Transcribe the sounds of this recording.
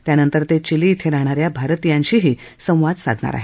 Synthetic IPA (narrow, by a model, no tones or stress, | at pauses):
t̪janənt̪əɾt̪et͡ɕiliːt̪ʰeɾaɽ̃aɾjabʱaɾət̪ijãɲɕiːɦiː | sə̃w̃ʋad̪sa̰d̪ʱɳa̰ɾa̰ɦe